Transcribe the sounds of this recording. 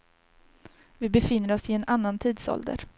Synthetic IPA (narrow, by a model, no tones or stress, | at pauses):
vɪbɛfɪnːəɾɔsɪɛnanːant̪ʰiːd̪sɔ̰ld̪ə̰ɾ